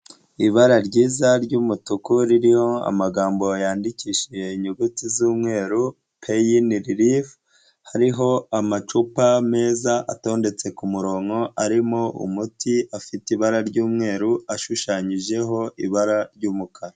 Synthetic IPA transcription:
iβaɾaɾɟiːzaɾɟuːmutukuɾiɾiho̞a̰maɡaːmbo̞jaːndiciːʃije̞iɲuɡutizuːmŋe̞ːɾu | pʰejiniɾiɾif | haɾiɦo̞amat͡ʃupame̞ːzaʔato̞ːnde̞t͡se̞kumuɾo̞ːŋo̞ʔaɾimoʔṵmutiafitiβaɾaɾɟuːmŋe̞ːɾuaʃuʃaːɲiʒe̞ɦo̞ʔiβaɾaɾɟuːmukʰaɾa

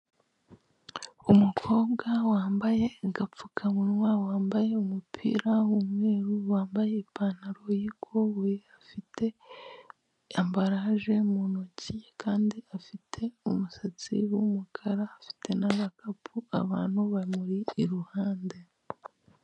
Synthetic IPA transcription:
umukʰo̞ːbɡawaːmbaje̞ŋɡap͡fukʰamunwawaːmbaje̞umupʰḭɾawumwe̞ːɾuwaːmbaje̞ipaːn̥aɾojikʰoβuɾiafitʰe̞ | ambaɾaʒe̞munocikʰaːndiafitʰe̞umusat͡sḭwumukʰaɾaːfi̥tʰe̞naβakʰapʰua̰βa̰ːn̥huβaimuɾiːɾuhaːnde̞

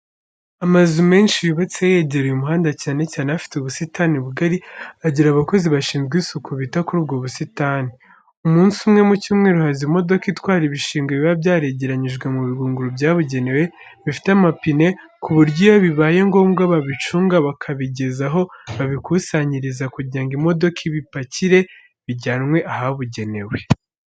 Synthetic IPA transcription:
amazume̞ːnʃijuβat͡siaje̞ːɟe̞ɾujumuɦaːndacaːne̞caːneafi̥teuβusitaniβuɡaɾiaɟiɾaβako̞ziβaʃiːnzɡisukʰuβitakuɾuːbɡoβusitaːni | umuːnsumŋe̞mucuːmŋeɾuhazimo̞do̞kitwaːɾiβiʃiːŋɡeβiβabjaːɾeɟe̞ɾaɲiʒɡwe̞muβiɡuːŋɡuɾubɟaːβuɟe̞ne̞we̞ | βifi̥tamapine̞ | kuβuɾɟijaβiβaːje̞ŋɡo̞ːmɡaβaβit͡ʃuːŋɡaβakʰaβiɟe̞zaɦo̞βaβikusaɲiɾizakuɟaːŋɡimo̞do̞kʰiβipaciɾe̞ | βiɟaːnŋwe̞ʔaɦaβuɟe̞ne̞we̞

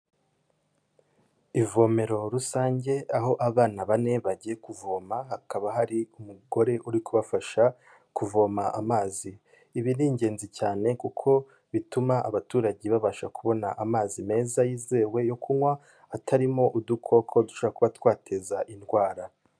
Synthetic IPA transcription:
ivo̞ːme̞ɾo̞ɾusaːɲɟe̞aɦo̞ʔaβaːnaβane̞βaɟije̞kuvo̞ːmaɦakaβaɦaɾiumuɡo̞ɾe̞ʔuɾikuβafaʃa | kuvo̞ːmaʔamaːziː | βiniːɲɟe̞ːnzicaːne̞kukʰo̞ | βitumaʔaβatuːɾaɟiβaβaʃakuβo̞naʔamaːzime̞ːzajiːze̞ːwe̞jo̞kʰumwaː | tʰaɾimo̞ʔudukʰo̞kʰo̞duʃoɾakuβatwaːtʰezaʔinɡwaːɾa

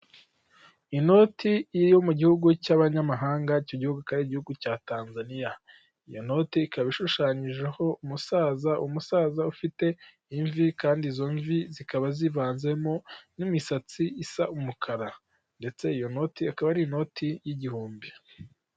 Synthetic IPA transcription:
ino̞tʰiiɾjo̞muɟihuɡucaβaɲamaɦaːŋɡaico̞ɟihuɡukaɾiiɟihuɡucaːtaːnzanija | ijo̞no̞tiːkaβiʃuʃaːɲiʒeho̞umusaːzaʔumusaːzaufite̞ | iɱvikaːndiːzo̞ɱvizikaβazivaːnze̞mo̞nimisat͡siisaumukʰaɾa | nde̞t͡se̞ijo̞no̞tiakaβaɾino̞tijiɟihuːmbi

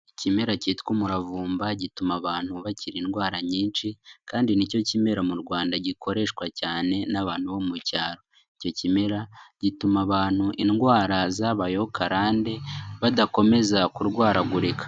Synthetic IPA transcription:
icime̞ɾaciːtkumuɾavuːmbaɟitumaβaːn̥huβaciɾinɡwaːɾaɲiːnt͡ʃikaːndinico̞cime̞ɾamuɾɡwaːndaɟikʰo̞ɾe̞ʃkwacaːne̞naβaːn̥huβo̞mucaːɾo̞ | ico̞cime̞ɾaɟitumaβaːn̥huʔinɡwaːɾazaβajo̞kʰaɾaːnde̞βadako̞me̞zakuɾɡwaːɾaɡuɾekʰḁ

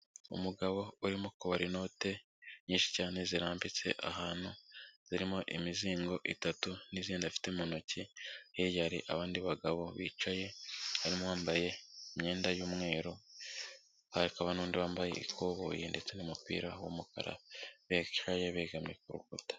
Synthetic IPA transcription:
ṵmuɡaβo̞uɾimokoβaɾino̞te̞ | ɲiːnʃi̥caːne̞ziɾaːmbit͡se̞̰ʔa̰ɦaːn̥huz̥iɾimo̞ʔimiziːŋɡo̞ʔitatuniziːndafi̥te̞monocijiɾjaɾḭʔa̰βaːndiβaɡaβo̞̰βḭːt͡ʃaje̞haɾimowaːmbaje̞imɲe̞ːndajuːmŋe̞ːɾo̞ | haikaβanuːndiβaːmbaje̞̰ḭkʰoβo̰jende̞t͡se̞nimupḭːɾawomuka̰ɾa̰βeʃaje̞βeːɡamɲekuɾṵkutḁ

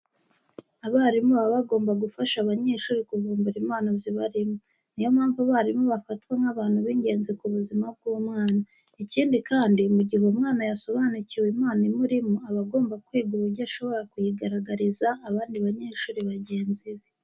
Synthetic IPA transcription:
aβaːɾimoβaβaɡo̞ːmbaɡufaʃaβaɲe̞ːʃuːɾikuvuːmbuɾimaːnoziβaɾimo | nijo̞maːɱvuβaɾimoβafatweŋaβaːn̥huβiɲɡe̞ːnzekuβuzimab̚ɡuːmŋaːna | iciːndikaːndimuɟiɦe̞umŋaːnajaso̞βanuciwemaːnimuɾimoaβaɡo̞ːmbakwiːɡuɾuɾɟaʃo̞βo̞ɾakujiɡaɾaɡaɾizaːβaːndiβaɲe̞ːʃuːɾiβaɟe̞ːnziwe

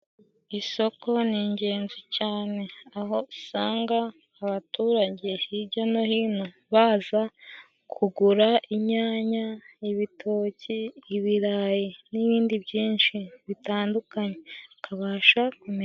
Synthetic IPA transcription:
iso̞ko̞niːɲɟe̞ːnzicaːne̞aɦo̞saːŋɡaː | βatuːɾaɟe̞hiɾɟano̞hiːno̞ | βaːza | kʰuɡuɾaʔiɲaːɲaiβitʰo̞ːciːβiɾajiniβiːndibɟiːnʃiβitaːndukaɲe̞kʰaβaːʃakume

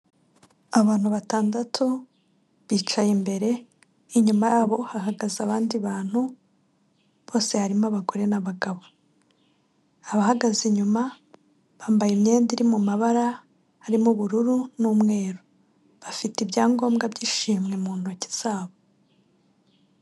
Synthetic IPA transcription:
aβaːn̥huβataːndatʰu | βiːt͡ʃajimbe̞ɾe̞ | iɲumajaːβo̞haɦaɡazaβaːndiβaːn̥hu | β̥o̞ːse̞haɾimoaβaɡoɾe̞naβaɡaβo | aβahaɡaziɲuma | βaːmbajemɲe̞ːndiɾimumaβaɾa | hːɾimuβuɾuɾunuːmŋe̞ːɾo | βafitibjaːŋɡo̞ːmɡabɟiːʃiːmŋe̞muːn̥huaci̥z̥aːβo

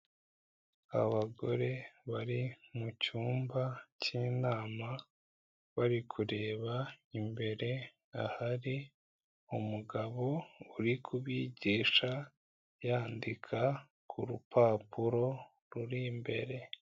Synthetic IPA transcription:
a̰βaɡo̞ɾe̞βaɾimucuːmbacinaːma | βaɾikʰuɾe̞ːβaimbe̞ɾe̞ | ahaɾi | umuɡaβo̞uɾikʰuβjiɟiːʃa | jaːndikʰa | kʰuɾupʰaːpuɾo̞ | ɾuɾimbe̞̰ɾe̞

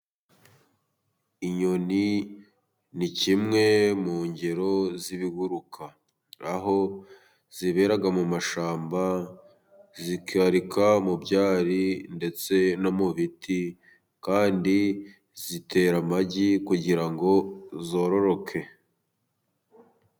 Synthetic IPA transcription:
iɲo̞ni | nicimŋe̞muːɲɟe̞ɾo̞ziβiɡuɾukʰa | aɦo̞ | z̥iβe̞ɾaɡamumaʃaːmba | zikiaɾikʰamubɟaːɾinde̞t͡se̞no̞muβiti | kaːndi | zite̞ɾamaɟikuɟiɾaŋɡo̞zo̞ːɾo̞ɾo̞kʰe̞

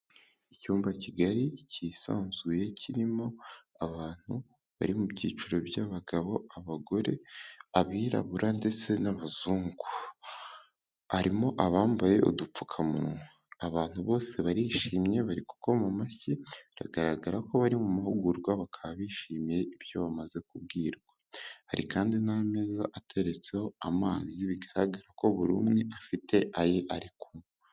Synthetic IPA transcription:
icuːmbaciɡaɾicisa̰ːnzɡuje̞cʰiɾimo̞ | aβaːn̥hu | βa̰ɾimubɟiːt͡ʃiɾo̞bjaβaɡaβo̞aβaɡo̞ɾe̞aβiɾa̰βuɾande̞t͡se̞naβaz̥uːŋɡu | aɾimo̞ʔaβaːmbaje̞ʔo̰dup͡fu̥kʰamuɾŋo | aβaːn̥huβo̞ːse̞βaɾiʃiːmɲe̞βaɾiku̥ko̞mumaçiɾa̰ɡaɾaɡaɾako̞βaɾimumahuɡuɾɡwaβakʰaβaβiːʃimjeiβjo̞βamaze̞kub̚ɡiːɾɡwaha̰ɾḭkaːndinamezaʔatʰe̞ɾet͡se̞ho̞amaːziβiɡaɾaɡaɾako̞βuɾuːmŋeʔafite̞ʔajeʔaɾikum | a

